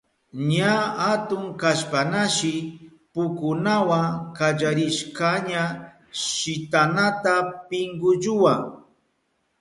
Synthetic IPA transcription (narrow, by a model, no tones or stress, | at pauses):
ɲaat̪ʊŋkaʃpanaʃɪ | pʊkʊnawaŋkad͡ʒaɾɪʃkaɲa | ʃɪt̪anat̪apɪŋɡʊʒʊwa